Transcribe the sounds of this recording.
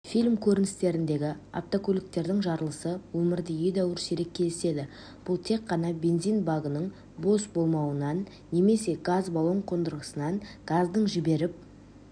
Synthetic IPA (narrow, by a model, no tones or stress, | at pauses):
fʲilʲmkʲʰɵɾɪnɪst̪e̞ɾɪnd̪e̞ɡʲɪa̰ft̪okʲʰɵlɪk̚t̪e̞ɾd̪ɪŋʒɑɾəlˠəsəwɵmɪɾd̪ɪʏjd̪æwɪɾseɾe̞k̚ʲʰːe̞lɪse̞d̪ɪ | b̥ʊlˠt̪ʰe̞kqːɑnɑbe̞nzijnbaɡənəɴ | bo̞sbo̞lˠmɑwənɑnː | e̞me̞se̞ɡazbolˠo̞ɴqʰo̞nd̪əɾʁəsənɑɴɡ̥azd̪əɴʒɪbe̞ɾɪp̚